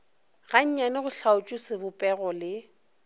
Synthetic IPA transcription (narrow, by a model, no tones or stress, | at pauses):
ɣaɲ̩ɲanɪɣʊɬaʊt͡ʃʼusɪbʊpʼɛɣɔlɪ